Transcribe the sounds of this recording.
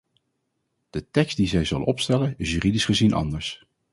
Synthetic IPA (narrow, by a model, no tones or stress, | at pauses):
d̥ətɛkstdizɛjzɵlə̰nɔpstɛlənɪsjyːridisχəzinʔɑ̰ndəɹs